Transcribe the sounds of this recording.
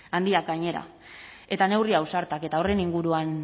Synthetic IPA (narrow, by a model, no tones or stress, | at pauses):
and̪iakɡaɲe̞ɾa̰ | e̞t̪ane̞wriawsaɾt̪ake̞t̪ao̞re̞niŋɡuɾuan